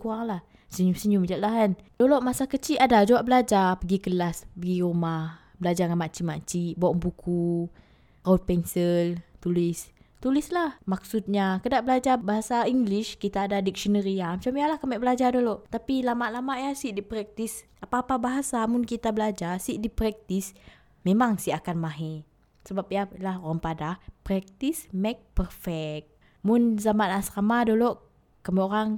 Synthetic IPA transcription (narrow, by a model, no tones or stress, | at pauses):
kuaŋlah | səɲusəɲumd͡ʒaʔlaɦand̥olɔʔmasakət͡ʃiʔadad͡ʒawaʔbəlad͡ʒapəɡikəlaspəɡiɾumah | bəlad͡ʒaŋamaʔt͡ʃimaʔt͡ʃiʔboʔŋbukʰu | aut̪̚pɛnsəlt̪ulɪs | t̪ulislahmak̚sut̪̚ɲakədaʔbəlad͡ʒabaɦasaiŋɡliʃkit̪aːdadik̚sɔnəɾiamat͡ʃamjalahkəmɛʔ̚bəlad͡ʒadolɔʔt̪apilamaʔlamaʔjasiʔdipɾɛk̚t̪is | apaːpabaɦasamʊnkit̪abəlad͡ʒasiʔdipɾɛk̚t̪is | memaŋsiʔakanmaɦe | səbap̚ijalahoɾaŋpadahpɾɛk̚t̪ismɛk̚pərfɛk̪̚ | mʊnzamanasamadolɔʔ | kəmeoɾaŋ